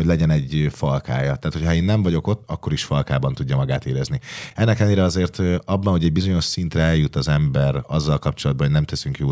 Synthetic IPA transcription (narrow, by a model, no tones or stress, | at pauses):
oɟlɛɟɛnɛɟfɒlka̰ːjɒt̪aːt̪ho̞cʰhɒeːnːɛɱvɒɟo̞ko̞t̪ːɒkːo̞ɾiʃfɒlkaːbɒnt̪uɟːɒmɒɡaːt̪eːɾɛzniɛnːɛkɛlneːɾɛɒzeːrt̪ɒbːɒnho̞ɟɛɟbizo̞ɲo̞ʃsint̪rɛɛljut̪ːɒzɛmbɛɾɒzːɒlkɒpt͡ʃo̞lɒd̪̚bɒnɦoɟnɛmt̪ɛsyŋkjoː